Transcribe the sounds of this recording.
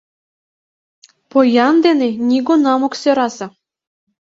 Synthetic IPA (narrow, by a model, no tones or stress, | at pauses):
pojɑnd̪enenʲiɡonɑmŏksøɾɑsɑ̆